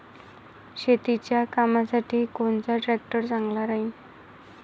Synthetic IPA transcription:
ɕet̪it͡ɕjakamasaʈiːkoɳt͡saʈɾɛk̚ʈəɾt͡sãŋɡlaɾaɦin

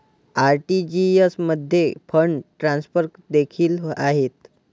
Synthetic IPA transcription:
aɾʈid͡ʑiəsməd̪ʱjefʰəɳʈɾãnspəɾkd̪ekʰiːlaɦet̪̚

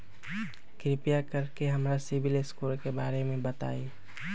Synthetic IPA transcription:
kɾɪpijakəɾkeɦəmɾasɪbilɪskuːlkebaːɾemẽbət̪a̰ːi

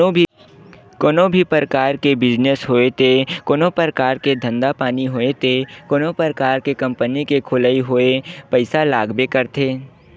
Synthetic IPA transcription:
koːnõbʱipəɾəkaːɾkebɪd͡ʒnesɦoːet̪ʰekoːnõpəɾkaːɾked̪ʱə̃nd̪apaːniɦoːet̪ʰekoːnõpəɾəkaːɾkekɐ̃mpənikekʰʊlaiɦoːepəɪsalaːɡbekəɾt̪ʰeː

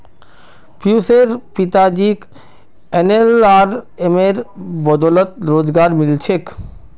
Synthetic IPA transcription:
puseɾpit̪ad͡ʒik | enelaɾemeɾbɔd̪ɔlət̪ɾoːd͡ʒɡaɾmɪlt͡ʃʰek

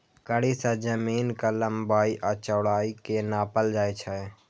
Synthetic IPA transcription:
kəɽisãd͡ʒəmiːnkələmbaːiʔat͡ʃəːɽaːikenaːpəld͡ʒaːet͡ʃʰə

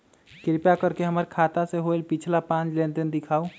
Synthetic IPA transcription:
kɪɾpjakəɾkeɦəməɾkʰat̪aseɦoelpit͡ʃʰlapãt͡ʃlent̪end̪ɪkʰaːu

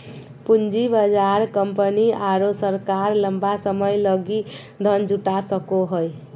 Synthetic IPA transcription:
pund͡ʒibəd͡ʒaɾkəmpəniaɾosəɾkaɾləmbasəməjləɡi | d̪ʱənd͡ʒuʈasəkoɦoj

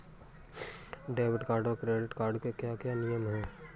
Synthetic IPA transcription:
ɖeːʋɪʈkaːɾɖoːɾkɾeːɖɪʈkaːɾɖkekjaːkjaːnijəmɦɛː

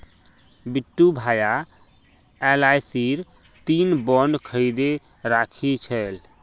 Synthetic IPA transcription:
biʈːubʱaja | ɛlajsiɾ | t̪inbɔnɖkʰəɪd̪e | ɾakʰit͡ʃʰəl

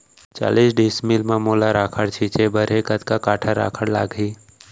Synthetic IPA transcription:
t͡ʃa̰ːliːsɖiːsmilmamoːlaɾaːkʰəɽt͡ʃʰiːt͡ʃebəɾɦekət̪kakaːʈʰaɾa̰ːkʰəɽla̰ːɡɦiː

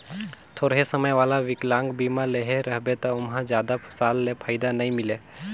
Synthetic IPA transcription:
t̪ʰoːɾɦesəməjʋaːlaʋɪklãːŋɡbiːmaleɦeɾəɦbet̪ɔʊmɦãd͡ʒjaːd̪asaːlːepʰaːɪd̪anɐɦĩmɪleː

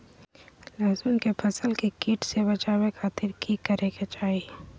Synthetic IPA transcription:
laːzuːnkepʰɐsəlkikiːʈsebɐt͡ʃaːwekʰaːt̪ɪɾkʰikːəɾeket͡ʃaːi

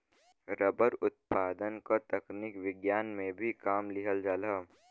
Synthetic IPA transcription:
ɾəbəɾʊt̪̚paːd̪ənkat̪ɐkniːkʋɪɡjaːnmẽbʱikaːmlɪɦəld͡ʒaːlaː

